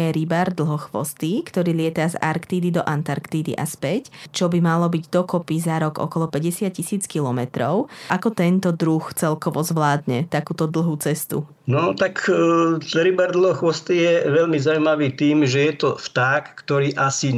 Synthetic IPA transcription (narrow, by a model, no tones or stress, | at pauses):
ɛɾibaːɾd̪l̩ˠɦɔxʋɔ̰st̪ikt̪ɔɾiːlɪɛt̪aza̰ɾkt̪iːd̪id̪ɔʔant̪aɾkt̪iːd̪ḭʔa̰spɛct͡ʃɔbimalɔbiɟd̪ɔkɔpizaɾɔɡɔ̰kɔlɔpɛɟɛsɪacːisiːt͡skilɔmɛt̪ɾɔʊʔakɔt̪ɛnt̪ɔd̪ɾuxt͡sɛlkɔʋɔzʋlaːd̪ɲɛt̪akuːt̪ɔd̪l̩ɦuːt͡sɛst̪ṵ | nɔt̪ak | ɾibaːɾd̪l̩ˠɦɔxʋɔst̪ijɛʋɛlmizaʊujmaʋiːt̪iːmʒɛjɛt̪ɔft̪aːkːt̪ɔɾiːʔasi